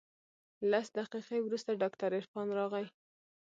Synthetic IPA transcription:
lasd̪aqiqewɾust̪aɖɑkt̪aɾɪɾfɑnɾɑɣaj

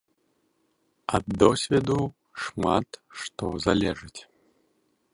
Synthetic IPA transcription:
ɐd̪ːɔsʲvʲɛd̪u | ʂma̰t̪ʂt̪ɔzalʲɛʐɨt͡sʲ

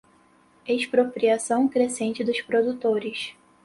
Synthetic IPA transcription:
eʃpɾopɾiasɐ̃w̃kɾesẽnt͡ʃɪd̪ʊʃpɾod̪ut̪oɾɪʃ

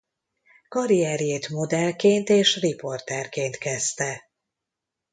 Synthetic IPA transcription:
kɒɾijɛrjeːt̪mo̞d̪ɛlkeːnt̪eːʃripo̞rt̪ɛrkeːnt̪kɛst̪ɛ

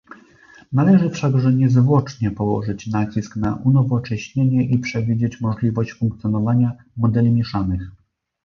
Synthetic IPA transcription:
nalɛʐɘfʂaɡʐɛɲɛzvwɔt͡ʂɲɛpɔwɔ̰ʐɘt͡ɕnat͡ɕisknaʔunɔvɔt͡ʂɛɕɲeɲɛʔipʂɛvʲid͡ʑet͡ɕmɔʐlʲivɔɕt͡ɕfuŋk̚t̪sjɔnɔvaɲa | mɔd̪ɛlʲimʲjɛʂanɘx

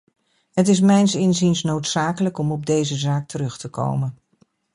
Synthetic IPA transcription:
ɦət̬ɪs̬mɛjnsɪnzinsnowtsaːkələkɔmɔb̚dejzəzaːk̚tʰəɾɵχtəko̰wmən

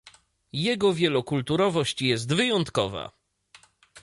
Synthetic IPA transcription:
jɛɡɔvʲjɛlɔkult̪uɾɔvɔɕt͡ɕjɛs̬t̪vɘjɔnt̪kɔva̰

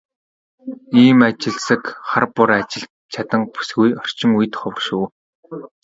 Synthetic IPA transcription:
iːmat͡ɕɪ̆ɮsə̆kχarpʊɾat͡ɕɪ̆ɮt͡ɕʰat̪ə̆ŋpu̥sɡujɔr̥t͡ɕɪ̆ŋuj̆t̪χɔwə̆rʃuː

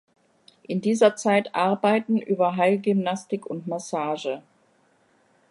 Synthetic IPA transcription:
ʔɪndiːzɐt͡saɪtʔaɐbaɪtn̩ʔyːbɐɦaɪlɡʏmnastɪkʰʊntmasaːʒə

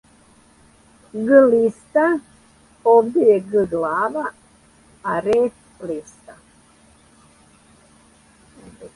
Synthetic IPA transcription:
ɡɨlist̪a | ovd̪ejeɡɨɡlaːʋa | aɾet | list̪a

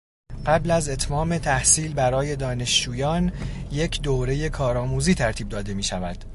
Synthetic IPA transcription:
ɢæblæze̞t̪ʰmɒːme̞t̪ʰæhsiːlbæɾɒːje̞d̪ɒːne̞ʃd͡ʒuːjɒːnje̞cʰd̪oɾe̞je̞kʰɒːɾɒːmuːziːt̪ʰæɾt̪ʰiːb̚d̪ɒːd̪e̞miːʃævæd̪̥

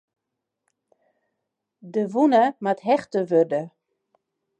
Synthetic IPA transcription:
dəʋunəmatɦɛxtəʋørdə

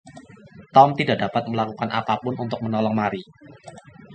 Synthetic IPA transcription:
t̪ɔmt̪idaʔdapat̪̚məlakukanʔa̰papʊnunt̪ʊk̚mənɔlɔŋmaɾi

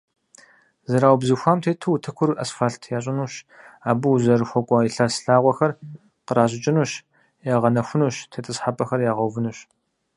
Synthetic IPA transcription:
zɐɾaːwbzɨxʷaːmtʰeːtʰɨwutʰɨkʷʰʊɾɨʔɐsfaːɬtʰjaːɕʼɪnuːɕ | aːbɨwzɐrxʷɔkʷʼɔiɬɐrsɬaːʁʷɔxɐr | qəɾaːɕʼɪt͡ʃʼɪnuːɕ | jaːʁɐnɐxʷʊnuːɕtʰeːtʰʼɨsħapʼɐxɐrjaːʁɐwvɨnuɕ

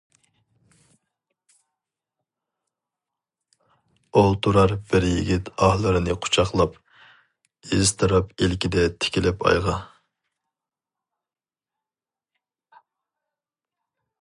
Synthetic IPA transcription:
olˠt̪ʰuɾɑɾbɪɾjiɡʲit̪ɑhlˠɨɾɨnɨqʰʊ̥t͡ʃʰɑχlˠɑp | ezt̪ʰɨɾɑpelkʲid̪ɛt̪ʰɪ̥kʲilɪpɑ̰jʁɑ

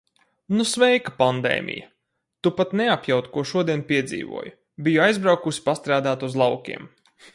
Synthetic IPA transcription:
nusʋɛjkḁpand̪ḛːmʔʲḭjɐ̰ | t̪upat̪neapjawt̪kuɔʃuɔd̪iɛnpiɛd̪zḭːʋṵɔju | bijuajzbɾawkusi̥past̪ɾaːd̪aːt̪uzlˠɑwkʲḭɛm

